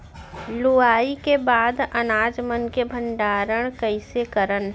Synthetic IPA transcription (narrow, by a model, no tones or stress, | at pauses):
lʊaːikebaːd̪ɐnaːd͡ʒmənkebʱə̃ɳɖaːɾəɽ̃kəɪsekəɾənɦ